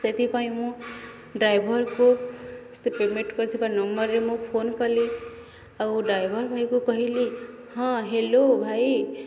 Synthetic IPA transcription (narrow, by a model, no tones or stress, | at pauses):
set̪ipaĩmũ | ɖɾajbʱʌɾkosupemeʈkʌɾt̪ʰipanʌmbʌɾːemũpʰonkʌli | awɖɾajbʱʌɾbʱajkokʌɦili | hʌ̃ɦelobʱaj